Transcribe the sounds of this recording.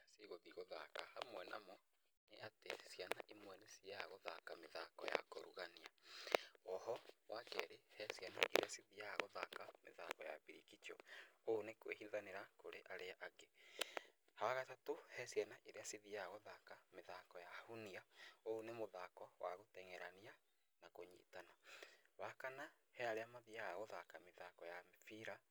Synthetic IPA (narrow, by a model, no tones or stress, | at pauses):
siɣoðiɣoðakahamwɛna̰mɔ | neatesjana̰ʔimwɛnesiaɣoðakameða̰kɔ̰ja̰ko̰ɾṵɣania | ɔhɔwakɛɾehɛsjɛna̰ʔḛɾḛasiðiaɣoða̰kamḛðakɔja̰βiɾikit͡ʃɔoːnekwehiðaneɾakoɾeʔaɾeaʔaɡe | hawaɣatatohɛsjɛnaʔeɾeasiðiaaɣoðakameðakɔjahuniaoːnemoðakɔwaɣotɛŋɛɾania | nakoɲḭtanaβakana | hɛaɾeamaðiaɣoðakameðakɔjamfiɾa